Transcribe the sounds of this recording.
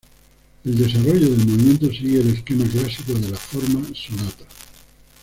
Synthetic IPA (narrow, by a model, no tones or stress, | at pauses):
e̞ld̪e̞s̬aroʝoðe̞lmoβimjent̪o̞s̬iɣeːle̞skemaklasikoðe̞lafoɾmasonat̪ḁ